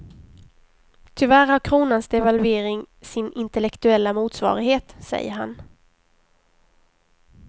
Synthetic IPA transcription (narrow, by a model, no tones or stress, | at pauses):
t̪ʰʏvæɾhaɾkʰɾuːnansd̪ɛvalveːɾɪŋsɪnɪnt̪ɛlɛkt̪ɵɛlːamuːt̪svɑ̰ːɾɪɡheːt̪sɛ̰jːə̰ɾɦa̰n